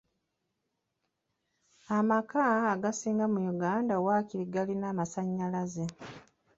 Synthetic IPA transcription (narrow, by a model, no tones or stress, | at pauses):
amakaːɡasiːŋɡamujuɡaːndawaciɾiɡalinaːmasaɲːalaze